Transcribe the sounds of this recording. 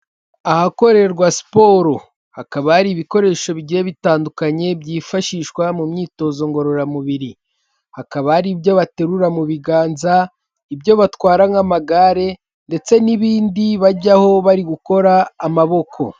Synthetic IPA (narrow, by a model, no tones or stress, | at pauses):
ahako̞ɾe̞ɾɡwasi̥po̞ɾo̞ | hakaβahaɾiːβiko̞ɾe̞ʃo̞βiɟieβitaːndukaɲe̞bɟiːfaʃiʃkwamumɲiːto̞ːzo̞ŋɡo̞ɾo̞ɾamuβiɾi | hakaβahaɾibjo̞βate̞ɾuɾamuβiɡaːnza | ibjo̞βatwaːɾaŋamaɡaɾe̞ | nde̞t͡se̞niβiːndiβaɟaho̞βaɾiɡuko̞ɾaːmaβo̞kʰo̞